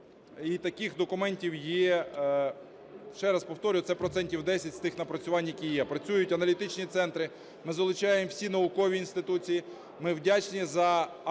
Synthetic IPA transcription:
it̪ɐkɪxd̪ɔkʊmɛnʲtʲiwjɛ | ʃt͡ʃɛɾɐspɔwt̪ɔɾʲʊjʊt̪sɛpɾɔt̪sɛnʲtʲiwd̪ɛsʲɐtʲst̪ɪxnɐpɾɐt͡sʲʊʋɑnʲjɐkʲijɛpɾɐt͡sʲujʊtʲɐnɐlʲit̪ɪt͡ʃnʲit̪sɛnt̪ɾɪ | mɪzɐlˠʊt͡ʃɑjemwsʲinɐʊkɔʋʲiːnst̪ɪt̪ut͡sʲiji | mɪwdʲat͡ʃnʲizɐ

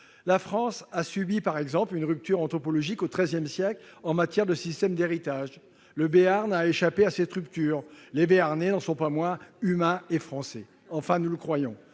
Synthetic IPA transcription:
lafχɑ̃sasybipaʁɛɡzɑ̃plynʁyp̚t̪yʁɑ̃t̪χɔpɔlɔʒikot̪χɛzjɛmsjɛklɑ̃mat̪jɛʁd̪əsist̪ɛmd̪eʁit̪aʒ | ləbeaʁnaeʃapeaset̪ʁypt̪yːʁlebeaʁnenɑ̃sɔ̃pamwɛ̃ymɛ̃efχɑ̃sɛ | ɑ̃fɛ̃nuləkχwajɔ̰̃

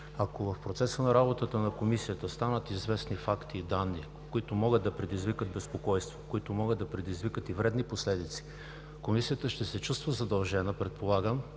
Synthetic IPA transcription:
ɐkovɐfpɾot̪sɛsənɐɾabot̪ət̪ənɐkomisijət̪əst̪anət̪izvɛsnifakt̪iːd̪anːi | koit̪ʊmɔɡɤd̪ɐpɾɛd̪izvikəd̪̚bɛspokɔjst̪vo̥koit̪ʊmɔɡɤd̪ɐpɾɛd̪izvikət̪ivɾɛd̪niposlɛd̪it̪si̥ | komisijət̪əʃt̪ɛsɛt͡ʃust̪vəzɐd̪ɐlˠʒɛnəpɾɛt̪̚polˠaɡəm

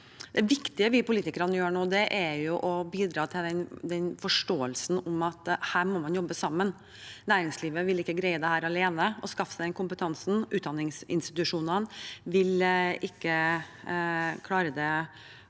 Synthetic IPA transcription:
d̪̥ɛʋɪkt̪ɪəʋɪpʊliːt̪ɪkəɾənjøːɳoːd̪ɛʔæɾjʊʔɔbiːd̪ɾɑːt̪ʰɪld̪ɛnd̪ɛnfɔʂʈoːəlsn̩ɔmɑt̪hæːɾmɔmɑnjɔbːəsɑmːən | næːɾɪŋsliːʋəʋɪlɪkːəɡɾæɪəd̪ɛhæːɾɑleːnəɔskɑfə̥sæd̪ɛnkʊmpət̪ʰɑnsn̩ʔʉːt̪̚d̪ɑnːɪŋsɪ̰nst̪ɪt̪ʉʂuːnənʋɪlɪkːə | kʰlɑːɾəd̪ɛ

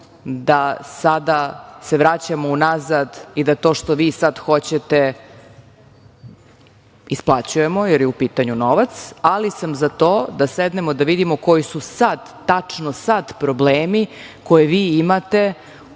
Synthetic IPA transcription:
d̪asad̪ase̞ʋɾat͡ɕamounazad̪id̪at̪o̞ːʃt̪o̞ʋiːsad̪xo̞t͡ɕet̪e | isplˠat͡ɕuje̞mo̞jeɾjeupiːt̪aɲuno̞ʋat̪salisamzat̪oːd̪ased̪nemo̞d̪aʋid̪imoko̞jisusad̪ːat͡ʂnosad̪pɾo̞bleːmi | ko̞jeʋiːimat̪e̞

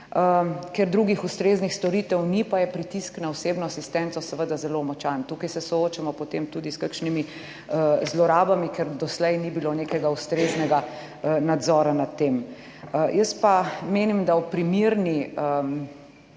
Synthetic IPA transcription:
əkɛɾd̪ɾuɡixust̪ɾeːznixst̪ɔɾiːt̪ɛwnipajɛpɾit̪isknawseːbnɔasist̪ɛnt̪sɔsɛʋəd̪azɛlomɔt͡ʃant̪uːkajsɛsɔot͡ʃamɔpot̪emt̪ud̪iskakʃnimi | əzlɔɾaːbamikɛɾd̪ɔslɛjnibilonekɛɡaust̪ɾeːznɛɡa | nad̪zɔːɾanat̪ːem | jəst̪pameːnimd̪awpɾimiɾniəm

